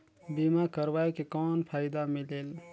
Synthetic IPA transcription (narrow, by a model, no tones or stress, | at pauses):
bimakəɾʋajkekɔːnpʰaːɪd̪amileːl